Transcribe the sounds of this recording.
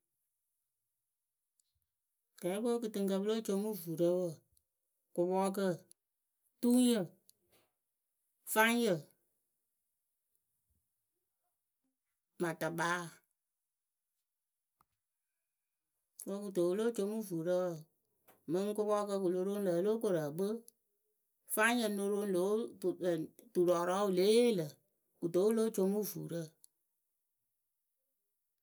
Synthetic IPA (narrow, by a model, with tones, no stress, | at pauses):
kɛ˨˦ɓo˦kɨ˨tɨ˧ŋk̬ə˧bɨ˦lo˦t͡ʃo˧˦mu˦vu˨ɾə˦wə˨ | kʊ˧ɓɔ˦k̬ə˦ | tu˦ŋ˦jə˨ | fa˦ŋ˦jə˨ | ma˨ta˨ɓaː˨˦ | kə˧ku˨to˨wlo˦t͡ʃo˧˦mu˦˨vuː˨ɾə˦wə˨ | mɨ̃˦ŋ˦ko˦kɔ˦kə˧k̬u˨lo˧ɾo˦lə˨˦lo˦ko˨ɾə˨bə˦ | faː˦jə˧˨no˧ɾo˧˦lo˨˦˨ | tu˨ɾɔ˨ɾɔ˨˦u˨le˨˦lə˨ | ku˨to˨˦wlo˦t͡ʃo˦mu˦˨vṵː˨ɾə˦˨